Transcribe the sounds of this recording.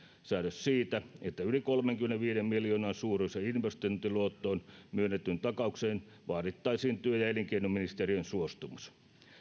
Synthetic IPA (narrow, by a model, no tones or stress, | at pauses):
sæːdøssiːt̪æet̪ːæylikolmeŋkymeneʋʋiːɾemmiljoːnɑːnsuːrunseinʋest̪ont̪iluot̪ːoːnmyønːet̪ːynt̪ɑkɑukseːn | ʋɑːɾit̪ːɑisiːnt̪yøjɑeliŋkeinuminist̪eriønsuost̪umus